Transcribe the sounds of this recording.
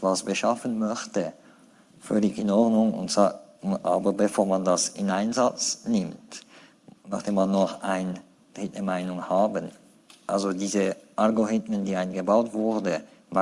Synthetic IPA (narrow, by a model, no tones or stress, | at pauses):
tvasb̥əʃafənmœçtə | fœlɪçɪnɔʁdnʊŋʊ̰ntsaʔa̰ːbɐbəfoːɐmandasɪnʔaɪnzat͡snɪmt | naɑχd̥eːmanːɔχʔaɪn | d̥ʁɪtnəmaɪnʊŋhaːbən | ʔa̰lzodiːzəʔalɡoʁɪtməndiːaɪnɡəbaʊtv̥ʊʁdə | ma